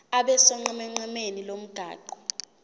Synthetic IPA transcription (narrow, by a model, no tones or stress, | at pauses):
aɓɛsɔŋ͡ǀɛmɛŋ͡ǀɛmenilom̩ɡ̥ʱa̰ːǃɔ